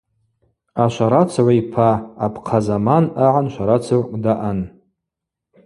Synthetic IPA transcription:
aʃʷaɾat͡sʰʕʷaipʰaːpʰʼqʰazamanaʕanʃʷaɾat͡sʰarkʷʼdaʔan

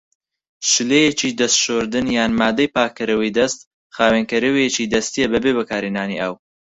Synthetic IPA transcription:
ʃɨlejet͡ʃiːd̪ɐst̪ʃoɾd̪ɨnjaːnmaːd̪ɐjpaːkːɨɾɐwɐjd̪ɐst̪ | χaːweːnkɐɾɐwejet͡ʃiːd̪ɐst̪ijebɐbeβɐkʰaːɾinaːnḭʔɐw

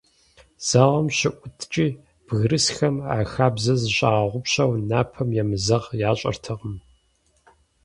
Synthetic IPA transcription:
z̥aʁɐmɕɪʔʷʊtʰt͡ʃʼiː | b̥ɣrɨsxɐma̰ːxaːbzɐzɨɕʼaːʁʷʊpɕɐwnaːpʰɐmjɛmɨzɐʁjaːɕʼɐ̰rtʰɨʁəm

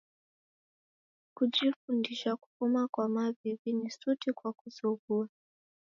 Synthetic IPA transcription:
kud͡ʒifundiʃaku̥fumakwamavivinisutikwakuzuɡua

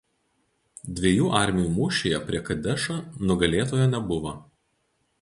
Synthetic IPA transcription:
d̪ʲʋʲeːjuːʔɑˑɾʲmʲɛjuːmuːʃʲeːjɛpʲɾʲiɛkɐd̪ʲɛʃɐnʊɡɐlʲeːt̪oːjɛnʲɛbʊʋɐ

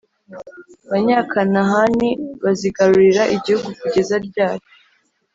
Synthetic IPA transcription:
βaɲaːkʰanaɦaniβaziɡaɾuɾiɾaʔiɟihuɡukuɟe̞zaɾɟaːjo̥

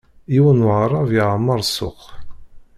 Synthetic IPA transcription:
iwənwʁɾˤɑviʕamːəɾˤsʊ̰q

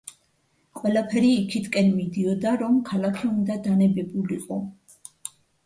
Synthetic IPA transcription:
qʼwɛlapʰɛɾiːkʰit̪ʰkʼɛnmid̪iɔd̪aɾɔmkʰalakʰiund̪ad̪anɛbɛbuliqʼɔ

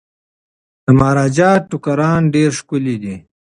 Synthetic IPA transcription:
d̪̥əmɑːɾɑːd͡ʒɑːʈukaɾɑːnɖeɾʂkʊlid̪i

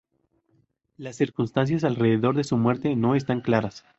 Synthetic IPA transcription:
lasːiɾkunst̪ans̬jas̬alre̞ðe̞ðo̞ɾðe̞sumwe̞ɾt̪e̞no̞e̞s̬t̪aŋklaɾas

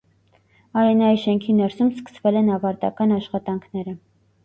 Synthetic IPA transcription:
ɑjɛnɑjiʃɛŋkʰinɛɾsumskə̥svɛlɛnɑvɑɾt̪ɑ̰kɑnɑʃχɑt̪ɑŋkʰnɛɾə

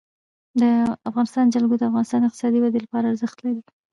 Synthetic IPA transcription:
d̪əafɣɑnɪst̪ɑnd͡ʒalɡod̪əafɣɑnɪst̪ɑnɪqt̪ɪ̥sɑd̪iwad̪elapɑɾaːɾzəxt̪laɾi

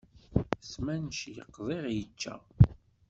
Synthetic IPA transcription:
smænʃjə̰qːðˤeʁjət͡ʃːæ̰

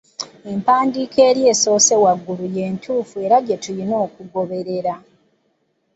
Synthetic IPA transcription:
e̞mpaːndiːkʰeːɾje̞ːso̞ːse̞waɡːuluje̞ːntʰuːfue̞ɾaɟetujino̞ːkuɡo̞βe̞ɾe̞ɾa

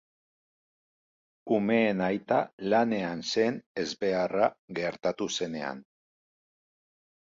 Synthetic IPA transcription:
ume̞ːnajt̪alane̞anse̞ne̞zβe̞araɣe̞ɾt̪at̪use̞ne̞̰a̰n

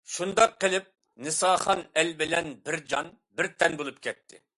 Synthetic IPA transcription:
ʃund̪ɑqːəlˠɪp̚ | nɨsɑːχɑnɛlbɪlɛnbɪɾd͡ʒɑn | bɪɾt̪ʰɛnbolˠup̚kʲʰɛt̪ʰːɪ̰

